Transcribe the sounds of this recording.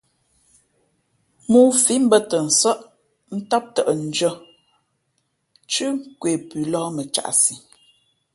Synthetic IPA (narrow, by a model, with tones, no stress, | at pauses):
mu˦fi˨˦m̩˦bə˦tə˨n̩˨sɔ˦ʔ | n̩˦tɔ˦p̚tə˨ʔn̩˨d͡ʒə˦ | t͡ʃʉ˦ŋ˦kwe˨pʉ˨lɔː˦mə˨t͡ʃa̰˨ʔsi˨